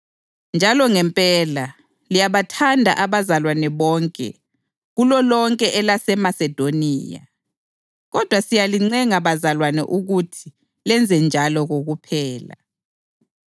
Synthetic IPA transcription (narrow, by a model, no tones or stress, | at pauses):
nd͡ʒʱalɔŋɛmpʼɛla | lijaβatʰandʱa̰ʔaβazalwanɛβɔːŋkʼɛ̰ | ɣulɔlɔŋkʼɛʔɛlasɛmasɛd̥ʱoniːja̰ | ɣɔd̥ʱwasijaliŋ͡ǀɛŋaβazalwanɛ̰ʔuɣutʰi̥ | lɛnd͡zʱɛnd͡ʒʱalɔɣoɣupʰɛːla̰